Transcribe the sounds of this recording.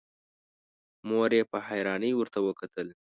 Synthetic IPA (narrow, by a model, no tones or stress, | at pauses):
moɾjepəhajɾɑnəjwəɾt̪awəkat̪əl